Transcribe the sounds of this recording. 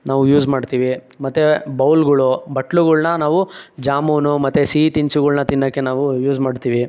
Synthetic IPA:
naːʋujuːd͡ʒmaːɖt̪iːʋi | mɐt̪ːebɐwlɡɐɭubɐʈɭuɡɐɭnɐnaːʋud͡ʒaːmuːnumɐt̪ːesiːt̪iɲsuɡɐɭnɐt̪inːɐkːe̞naːʋujuːd͡ʒmaːɖt̪iːʋi

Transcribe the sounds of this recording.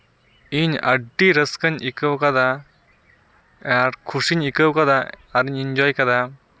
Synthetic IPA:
iɲɐ̰ɖːiɾɐskɐɲikɐwkɐd̪a | aɖkʰuʂiɲikɐwkɐd̪aːɾiɲiɲd͡ʒɔːjkɐd̪a

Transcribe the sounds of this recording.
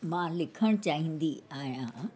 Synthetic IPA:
mãːlɪkʰəɽ̃t͡ɕaːɦĩːnd̪iaːɦjã

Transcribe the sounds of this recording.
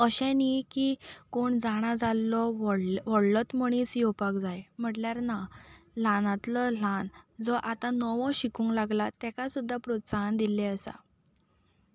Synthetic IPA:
əɕɛ̃nikikoɳd͡zaɽ̃ad͡zalːɔɽʋɔɽlət̪məɽ̃iːsjopakd͡zajm̤əʈljaɾnalãnãt̪lɔlãnd͡zɔʔat̪ãnɔʋɔ̃ɕikũːŋɡlaɡlat̪ɛkasud̪ʱːapɾot̪saɦand̪ilɛəsa̰

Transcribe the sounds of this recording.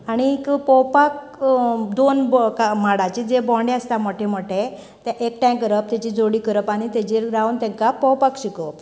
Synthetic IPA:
aɽ̃ikpɔwpak | d̪onbkamaɽat͡ɕid͡zebɔ̃ɳɖeəst̪aməʈʰeməʈʰe | t̪ãʔekʈãj̃kəɾəp̚t̪at͡ɕid͡zʱoɽiːkəɾəpaɽ̃it̪et͡ɕeɾɡɾawnt̪ɛ̃kapɔwpakɕikəp̚

